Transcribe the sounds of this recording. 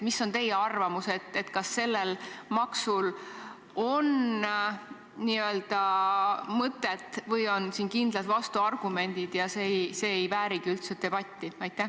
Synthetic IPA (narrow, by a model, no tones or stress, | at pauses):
misːo̞nt̪e̞jeɑrvɑmuse̞t̪ːe̞t̪kɑsːe̞lːelmɑksul | o̞n | niø̞ld̪̥ɑ | mɤt̪ːˑet̪ːvɤjo̞nsiːnkind̪̥lɑt̪vɑst̪uɑrɡ̥ume̞nʲd̪̥id̪̥jɑsejse̞ːjvæːɾiɡ̥iylt̪set̪ːe̞b̥ɑt̪ʲːiɑjt̪ːæ